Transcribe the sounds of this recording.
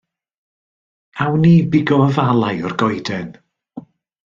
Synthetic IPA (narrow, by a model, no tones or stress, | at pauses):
awniːbɪɡɔəvalˠajɔrɡɔjdɛn